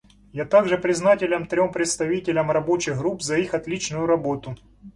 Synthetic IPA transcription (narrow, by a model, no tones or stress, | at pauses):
jat̪aɡʐɨpɾʲɪznatʲɪlʲɐmt̪ɾʲompɾʲɪt̪st̪ɐvʲitʲɪlʲɐmrɐbo̞t͡ɕɪɣɡɾupzɐixɐt̪lʲit͡ɕnʊjʊɾɐbo̞t̪ʊ